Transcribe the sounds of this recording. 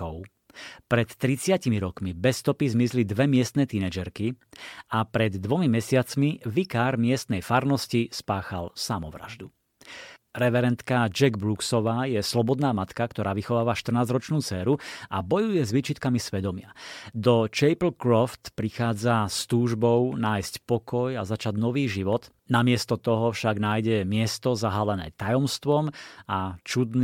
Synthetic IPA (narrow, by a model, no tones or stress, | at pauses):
ɔʊ | pɾɛt̪ːɾit͡sɪacimiɾɔkmibɛst̪ɔpizmizlid̪ʋɛmɪɛst̪nɛːt̪inɛd͡ʒɛɾkiapɾɛd̪ːʋɔmimɛsɪat͡smiʋikaːɾmɪɛst̪nɛjfaɾnɔscispaːxalsamɔʋɾa̰ʒd̪u | ɾɛʋɛɾɛnt̪kad͡ʒɛɡbɾuksɔʋaːjɛslɔbɔd̪naːmat̪kakt̪ɔɾaːʋixɔʋaːʋaʃt̪r̩naːzɾɔt͡ʃnuːt͡sɛːɾuabɔjujɛzʋit͡ʃit̪kamisʋɛd̪ɔmɪad̪ɔt͡ʃɛjpl̩kɾɔft̪pɾixaːd͡zast̪uːʒbɔʊnaːjscpɔkɔjazat͡ʃaɟnɔʋiːʒiʋɔd̪ | namɪɛst̪ɔt̪ɔɦɔfʃaɡnaːjɟɛmɪɛst̪ɔzaɦalɛnɛ̰ːt̪ajɔmst̪ʋɔmat͡ʃud̪n